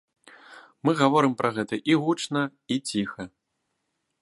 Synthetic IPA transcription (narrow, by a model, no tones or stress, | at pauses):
mɨɣavɔɾɨmpɾʔɐɣɛt̪ɐʔiɣut͡ʂnɐit͡sʲixɐ